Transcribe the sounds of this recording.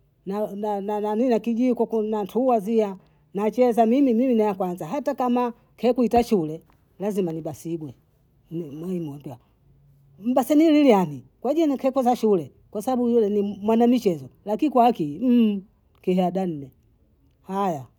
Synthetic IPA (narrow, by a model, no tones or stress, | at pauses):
nananananinakiʄikwɔkunantʰuwazia | nat͡ʃɛzamimimiminajakwanzaɦatakama | kʰɛkuitaʃulɛ | lazimaniɓasiɡwɛ | nmɔimɔmbja | m̩basɛnililianikwaʄiankʰɛkuzaʃulɛ | kwasabaɓujulɛnimwanamit͡ʃɛzɔlakinkwaakim̩ | kihɛadan̩nɛ | haja